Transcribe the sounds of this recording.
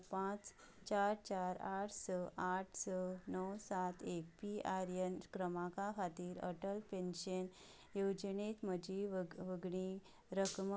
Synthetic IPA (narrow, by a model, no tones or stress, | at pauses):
pãt͡s | t͡ɕaɾt͡ɕaɾaʈʰsəʔaʈʰsənəwsat̪ʰek̚piaɾənkɾəmãkaɦat̪iːɾə̰ʈəlpenɕən | jod͡ʑənet̪məd͡ʑiʋʋəɡɳi | ɾəkm